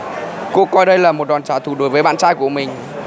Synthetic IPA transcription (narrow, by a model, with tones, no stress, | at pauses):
kṵ˧˥əkɔ˧jɗə˧jlaː˨˩mo˨˩t̚ɗwaː˨˩nt͡ɕaː˨˦t̪ʰu˧˩ɗo˨˦jvəː˨˦jɓa̰ː˧˨t͡ɕaː˧jku˧˩əmï˨˩ŋ̟